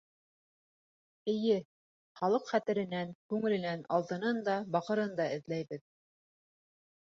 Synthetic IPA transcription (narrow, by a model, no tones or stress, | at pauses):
ɘ̆jɘ | χɑlˠɤqχæt̪ɘ̆ɾɘ̆næŋkʉŋɘ̆lɘ̆nænɑlˠt̪ɤ̆nɤnd̪ɑbɑqɤ̆ɾɤnd̪ɑɘ̆ðlæjbɘð